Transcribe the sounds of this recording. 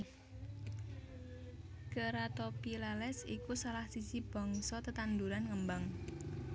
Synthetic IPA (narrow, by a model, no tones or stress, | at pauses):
kəɾat̪ɔpilalɛsikusalahsisib̥ɔ̤ŋsɔt̪ət̪and̪uɾanŋəmbaŋ